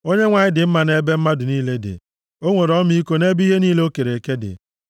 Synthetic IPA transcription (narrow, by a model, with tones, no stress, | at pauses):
o˦ɲe˦ŋʷa˨ɲɪ˦dɪ˨m̩˦ma˨ne˦be˦m̩˦ma˦dʊ˨niː˦le˦dɪ̰˨ | o˦ŋʷe˨ɾɔ˦m˦i˦ko˦ne˦bi˦ɦe˦niː˦le˦o˦ke˨ɾe˨ke˦dɪ̰˨